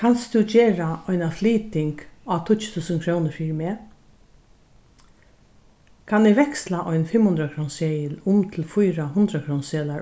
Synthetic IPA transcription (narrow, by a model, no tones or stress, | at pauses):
kʰanst̪ud͡ʒeːɾaɔjnafliːt̪ɪŋkaːt̪ʰʊt̪t͡ʃʊ̥t̪ʰuːsənkʰɾownəɾfiːɾmeː | kʰanɪɡʋɛkslaʔɔjnfɪmːhʊnd̪ɾakʰɾownseːjɪlʊmt̪ʰɪlfʊjɾaɦʊnd̪ɾakʰɾownseːla